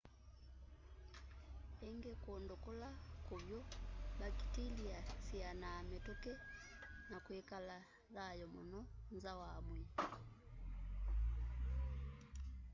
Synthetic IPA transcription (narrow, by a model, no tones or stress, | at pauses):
ɛŋɡɛkːndɔkɔlakobjɔɓaki̥tiliasianaːmɛtɔkɛ | nakwɛkala | ðajɔmɔnɔnzawaːmwɛ